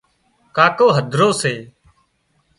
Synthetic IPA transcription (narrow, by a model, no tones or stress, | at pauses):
kaːkoːɦəd̪ʱɾoːseː